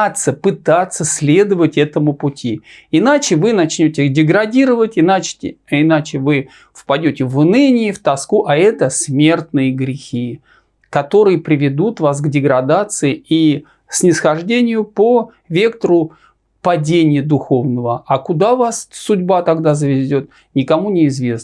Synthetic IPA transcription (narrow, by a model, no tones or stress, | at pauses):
t̪səpɨt̪at̪sːəsʲlʲe̞d̪əvətʲɛt̪əmʊpʊtʲiɪnat͡ɕɪvɨnɐt͡ɕnʲotʲɪixdʲɪɡɾɐdʲiɾəvətʲɪnat͡ɕʲɪɪnat͡ɕɪvɨ | fpɐdʲotʲɪvnɨnʲɪɪft̪ɐskuʔɐɛt̪əsʲmʲe̞rt̪nɨjəɡɾʲɪxʲi | kɐt̪o̞ɾɨjəpɾʲɪvʲɪd̪ut̪vas̬ɡdʲɪɡɾɐd̪at̪sɨɪi | sʲnʲɪsxɐʐdʲenʲɪjʊpo | vʲe̞k̚t̪əɾʊ | pɐdʲenʲɪjəd̪ʊxo̞vnəvəakʊd̪avassʊdʲbat̪ɐɡd̪azəvʲɪzʲo̞t̪̚ | nʲɪkɐmunʲɪːzvʲe̞s